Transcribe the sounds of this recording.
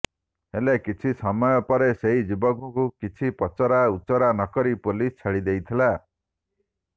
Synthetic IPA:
elekit͡ʃʰisɔmɔjɔpɔɾeseɦid͡ʒibɔɡɔkukit͡ʃʰipɔt͡ʃɔɾaut͡ʃɔɾanɔkɔɾipulist͡ʃʰaɽid̪ejt̪ʰila

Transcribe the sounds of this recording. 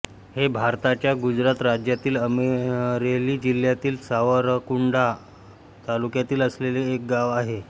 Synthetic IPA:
hebʱaɾt̪at͡ɕjaɡud͡ʑɾat̪ɾad͡ʑjat̪iːləmeɾeliːd͡ʑil̤ːjat̪iːlsaʋəɾkuɳɖa | t̪alukjat̪iːləsleleːk̚ɡaʋaɦe

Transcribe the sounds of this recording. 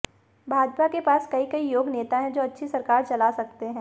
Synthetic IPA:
bʱaːd͡ʒpakepaːskɐikɐijoːɡneːt̪aɦɛ̃d͡ʒoːɐtːʃʰisɐɾkaːɾt͡ʃɐlasɐk̚t̪eɦɛ̃ː

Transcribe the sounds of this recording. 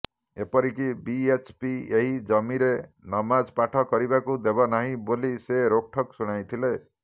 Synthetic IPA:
epɔɾikibiet͡ʃpieɦid͡ʒɔmiɾenɔmad͡ʒpaʈʰɔkɔɾibakud̪ebɔnaɦĩboliseɾok̚ʈʰɔksuɽ̃ajt̪ʰile

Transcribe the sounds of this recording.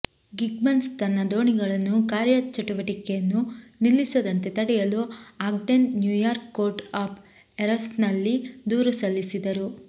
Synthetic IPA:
ɡiɡ̚mɐnst̪ɐnːɐd̪o̞ːɳiɡɐɭɐnːukaːɾjɐt͡ʃɐʈuʋɐʈikɛjɐnːunilːisɐd̪ɐnt̪e̞t̪ɐɽɛjɐluaːk̚ɖenːjuːjaːɾkːoːɾʈaːpʰ | eɾɐsnɐlːid̪uːɾusɐlːisid̪ɐɾu

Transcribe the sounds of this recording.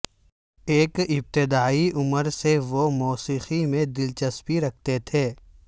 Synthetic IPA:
eːkɪb̚t̪ɪd̪aːiʔʊməɾseʋomɔːsiːximẽd̪ɪlt͡ʃɐspiɾɐkʰt̪et̪ʰeː

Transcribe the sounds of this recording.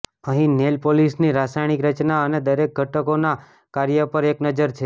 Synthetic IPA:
əɦĩnelpolisniɾasajɽ̃ikɾət͡ʃnaəned̪əɾek̚ɡʱəʈəkona | kaɾjəpəɾeknəd͡ʒəɾt͡ʃʰe

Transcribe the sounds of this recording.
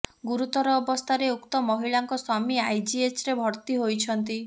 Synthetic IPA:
ɡuɾut̪ɔɾɔːbɔst̪ʰaɾeukt̪ɔmɔɦiɭaŋkɔsɔmiajd͡ʒiesɾebʱɔɾt̪iɦojt͡ʃʰɔnt̪i

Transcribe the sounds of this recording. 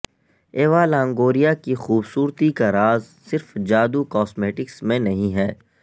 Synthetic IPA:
eːʋaːlãːŋɡoːɾijakixuːbsuːɾt̪ikaɾaːz | sɪɾfd͡ʒaːd̪ukɔːsmeːʈɪksmẽnɐɦĩɦɛː

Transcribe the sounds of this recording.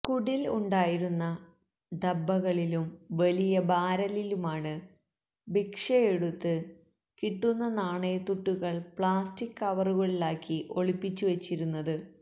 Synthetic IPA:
kuɽiluɳɖaːjiɾunːɐ | d̪ɐbːɐɣɐɭilumʋɐlijɐbaːɾɐlilumaːɳɨ | bikʂɐeɽut̪ːɨ | kiʈːunːɐnaːɳet̪uʈːuɣɐɭpɭaːstikːɐʋɐruɣɐɭilaːkːiʔo̞ɭipːit͡ɕːuʋɐt͡ɕːiɾunːɐðɨ

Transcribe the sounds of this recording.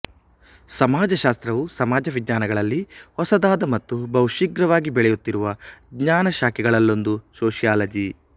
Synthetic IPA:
sɐmaːd͡ʒɐʃaːst̪ɾɐʋusɐmaːd͡ʒɐʋid̪ɲaːnɐɡɐɭɐlːihɔsɐd̪aːd̪ɐmɐt̪ːubɐwʃiɡɾɐʋaːɡibɛɭɛjut̪ːiɾuʋɐɡɲaːnɐʃaːkʰɛɡɐɭɐlːo̞nd̪usoːʃijaːlɐd͡ʒi

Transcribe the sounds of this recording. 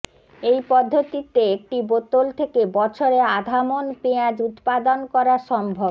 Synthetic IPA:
ejpɔd̪ʱːot̪it̪ːeek̚ʈibot̪olt̪ʰekebɔt͡ɕʰoɾead̪ʱamonpead͡ʑut̪pad̪onkɔɾaʃɔmbʱob

